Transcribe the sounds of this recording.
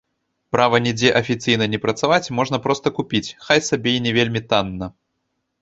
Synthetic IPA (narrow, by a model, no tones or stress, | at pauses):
pɾavɐnʲɛd͡zʲɛʔɐfʲit̪sɨjnɐnʲɛpɾɐt̪savat͡sʲmɔʐnɐpɾɔst̪ɐkupʲit͡sʲxajsabʲenʲɛvʲelʲmʲit̪anːɐ